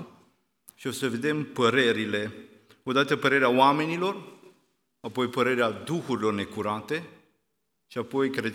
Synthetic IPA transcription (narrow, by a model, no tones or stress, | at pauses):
ʃio̞səve̞d̪e̞mpəɾe̞ɾile̞ | o̞d̪at̪əpəɾe̞ɾeaoame̞nilo̞r | apo̞jpəɾe̞ɾead̪uxuɾilo̞rne̞kuɾat̪e̞ | ʃiapo̞jkɾe